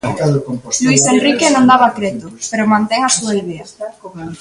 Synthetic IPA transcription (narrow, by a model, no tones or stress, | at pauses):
luisenrikenõnd̪aβakɾet̪opeɾomãnt̪eŋasuelβia